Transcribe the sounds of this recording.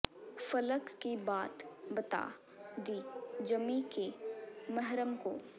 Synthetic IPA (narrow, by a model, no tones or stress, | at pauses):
fɐləkːibaːt̪bɐt̪a̰ː | d̪id͡ʒɐmĩkemɐɦɾəmko̰ː